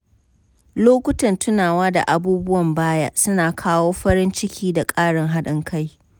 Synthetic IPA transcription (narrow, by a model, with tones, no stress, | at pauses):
loː˦kʷʊ˦tɐ˨ntʰʊ˦naː˨waː˦da̰˨ʔa˨buː˦bʊ˦wɐ˨mbaː˦ja˦ʔsʊ˦naː˨kʰaː˦woː˦ɸɐ˦ɽɪ˦nt͡ʃɪ˦kʲʰiː˦da˨kʼaː˦ɽɪ˨ŋɦa˦ɗɪ˦ŋkʰa˦j